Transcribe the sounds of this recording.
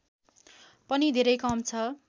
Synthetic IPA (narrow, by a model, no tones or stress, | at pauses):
pʌnid̪ʱeɾʌjkʌmt͡sʰʌ